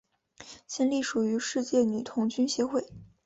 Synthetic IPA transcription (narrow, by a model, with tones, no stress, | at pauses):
t͡ɕjɛ˥˧nli˥˩ʂu˨˩y˧˥ʂɻ̩˥˧t͡ɕjɛ˥˩ny˨˩t̪ʰʊ˧˥ŋt͡ɕy˥nɕjɛ˧˥xwe˥˩ɪ